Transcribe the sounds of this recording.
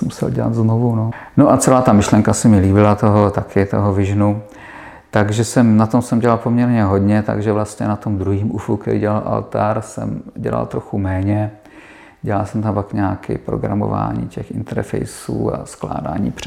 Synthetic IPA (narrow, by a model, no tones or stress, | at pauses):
musɛ̰lɟɛla̰t̪d̪znovunonoʔat͡sɛlaːt̪amɪʃlɛŋkasɛmɪliːbɪlat̪o̞ɦot̪akʰɪt̪o̞̰ɦovɪʒnu | t̪aɡʒɛsɛmnat̪o̞msɛmɟɛlalpomɲɛɾɲɛɦo̞d̪ɲɛt̪a̰ɡʒɛvlast̪ɲɛnat̪o̞md̪ɾuɦiːmʔufukɛɾɪɟɛlalʔa̰lt̪aɾsɛ̰mɟɛla̰lt̪ɾo̞xumɛːɲɛ | ɟɛlalsɛmt̪ampakɲaːkɪ̰pɾo̰ɡɾa̰mo̰va̰ːɲḭːcɛxɪ̰nt̪ɛɾfɛ̰jsuːa̰skla̰ːda̰ːɲḭːpr̥